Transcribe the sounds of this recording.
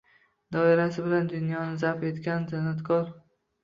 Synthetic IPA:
d̪ɒɪɾasɪbɪland̪ʊnjɒnɪzape̞t̪kʲanzɪnat̪kʰɒɾ

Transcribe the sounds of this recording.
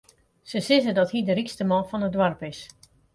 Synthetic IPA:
səsɪzədɔthidərikstəmɔlˠfɔnədwarpɪs

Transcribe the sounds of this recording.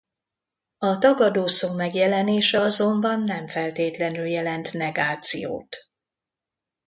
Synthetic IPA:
ɒt̪ɒɡɒd̪oːsoːmɛɡjɛlɛneːʃɛɒzo̞mbɒnːɛɱfɛlt̪eːt̪lɛnyljɛlɛnt̪nɛɡaːt̪sḭjo̰ːt̪

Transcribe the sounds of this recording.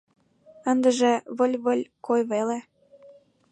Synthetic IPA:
ənd̪ə̆ʒĕβə̆lʲβəlʲkojβele

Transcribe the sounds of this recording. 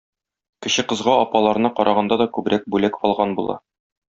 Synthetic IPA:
kɘ̆ɕɘqɤ̆zʁɑɒpɑlˠɑɾnɤqɒɾʔɑʁɑnd̪ɑd̪ɒkʉbɾæk̚bʉlækɒlˠʁɑnbulˠɑ̰

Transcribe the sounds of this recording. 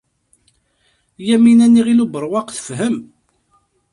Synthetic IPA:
jæminænːiʁilubəɾˤwɑqθə̥fɦəm

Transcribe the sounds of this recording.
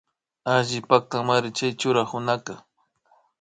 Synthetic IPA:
aʒɪpak̚t̪amaɾɪt͡ʃajt͡ʃʊɾahʊnaka

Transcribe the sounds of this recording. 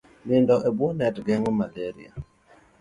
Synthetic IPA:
nɪndɔʔɛbwɔnɛtɡɛŋomalɛɾḭa̰

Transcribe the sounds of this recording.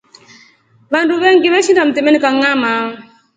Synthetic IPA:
vanduβɛŋɡiβɛsidam̩tɛmɛnikaŋama

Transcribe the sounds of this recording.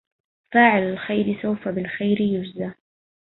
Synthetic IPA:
faːʕɪlalxajɾɪsawfabɪlxajɾɪjʊd͡ʒza

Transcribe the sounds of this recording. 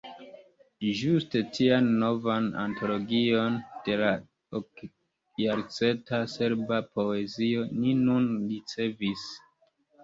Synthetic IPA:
ʒuste̞tʰianːo̞vana̰ntʰo̞lo̞ɡio̞nd̥e̞la | ok | jaɾt͡se̞ntase̞ɾbapo̞e̞zio̞ninunɾit͡se̞vis

